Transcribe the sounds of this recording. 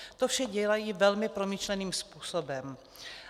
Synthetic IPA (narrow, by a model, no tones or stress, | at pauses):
t̪ofʃɛɟɛlajiːvɛlmɪpɾo̞miʃlɛniːmspuːsobɛm